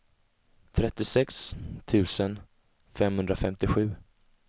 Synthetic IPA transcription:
t̪ʰɾɛt̪ːɪsɛkst̪ʰʉ̟ːsən | fɛmhɵnd̪ɾafɛmt̪ɪɧʉ̟ː

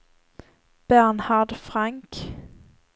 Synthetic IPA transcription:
b̥ænhaɖfɾaŋk

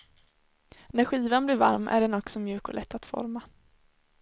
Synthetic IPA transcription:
næɾɧiːvanblɪɾva̰ɾmæ̰ɖɛnɔksɔmjʉ̟ːkɔlʔɛt̪ːat̪fɔ̰ɾma

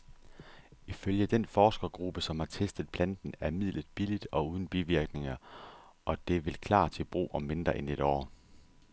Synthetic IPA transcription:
iføljəd̥enfɒːsɡ̥ɐɡ̥ʁub̥əsɒ̽mhɑ̈t͡sʰesd̥ð̞̩ˠpʰlænd̥n̩æɐmið̰lð̩ˠb̥ilid̥ɒ̽uːðˠn̩b̥iʋiɐɡ̥ne̝ŋɐʔɒ̽d̥e̝ʋe̝lkʰlɑ̰̈ːt͡sʰe̝b̥ʁṵːʔɒ̽mːe̝nd̥ʁɐʔene̝d̥ɒ̰ː

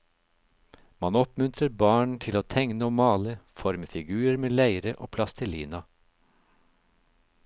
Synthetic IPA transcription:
mɑnɔpmʉnt̪ʰɾəɾbɑːɳt̪ʰɪloːt̪ʰɛŋnəoːmɑːləfɔɾməfɪɡʉːəɾmeːlæɪɾəʔo̰ːpʰlɑst̪ʰəliːnɑ

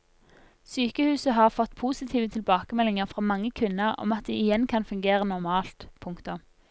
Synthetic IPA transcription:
syːkəhʉːsəɦɑːʁfɔt̪ːpʰuːsɪt̪ʰiːʋət̪ʰɪlbɑːkəmɛlɪŋəʁfʁɑːmɑŋːəkʰʉnːəʁɔ̰mɑt̪̚d̪ḭːɪjɛnkʰɑnfʉŋɡeːʁənɔʁmɑːlt̪pʰʊŋkt̪ʊm

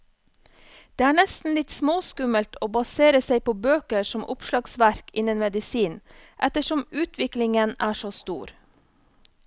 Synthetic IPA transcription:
d̪̥eːæːɳɛst̪n̩lɪt̪smoːskʉməlt̪ʰoːbɑseːɾəseɪpoːbøːkəɾsɔmʔʊpʃlɑɡsʋæɾkɪnənmɛd̪ɪsiːnʔɛt̪əʃɔmʉːt̪ʰʋɪklɪŋənæːʃost̪ṵːɾ

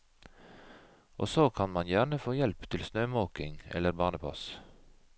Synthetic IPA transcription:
ʔo̰ːsoːkʰɑnmɑnjæːɳəfoːjɛlpt̪ʰɪlsnøːmoːkɪŋɛ̰ləɾbɑːnəpʰɑ̰s

